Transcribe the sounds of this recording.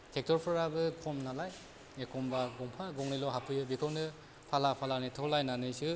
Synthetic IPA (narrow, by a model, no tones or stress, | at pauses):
tʰek̚tɔɾpʰɔɾabɯkʰɔmnalaj | ekʰɔmbaɡɔŋpʰaɡɔŋnilɔɦapʰɯjɯbikʰɯwnɯ | pʰalapʰalanitʰɔlajnanɯjsu